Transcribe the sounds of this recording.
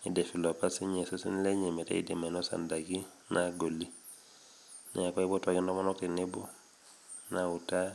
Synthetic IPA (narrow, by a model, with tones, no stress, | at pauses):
i˨de˨fi˨lo˨pasi˦ɲe˨se˦sḭ˦n˦le˦ɲe˨me˨ta̰˦ḭ˦dima˨nɔsa̰ndaɡi | nʔaɡo˨lːi | nɛ̰aka˦i˦bo˦taɡi˦ndɔ˦ma˦nɔ˦k̚ti˨ne˦bo˦ | nauta˦